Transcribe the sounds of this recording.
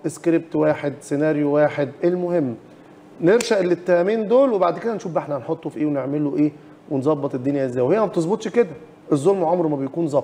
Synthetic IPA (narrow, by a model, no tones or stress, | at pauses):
ʔeskɾeb̚t̪waːħed̪senæːɾjowaːħed̪ʔelmohemː | neɾʃæʔelːet̪ːæhæmiːnd̪oːlwebaʕd̪ked̪ænʃuːfbʔeħnænħot̪ˤːofiʔeːweneʕmeloʔeː | wenzˤɑbːɑt̪ˤed̪ːonjæʔezːæːjwehejːæmæb̚t̪ezˤbot̪ˤʃked̪æ | ʔezˤːolmweʕomɾmæbejkuːnzˤɑb